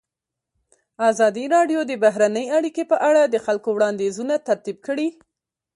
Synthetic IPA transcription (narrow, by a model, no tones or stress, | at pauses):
azɑd̪iɾɑɖjod̪əbaɦɾanəjaɽikepəʔaɽad̪əxalkowɽɑnd̪ezunat̪aɾt̪ib̚kəɽi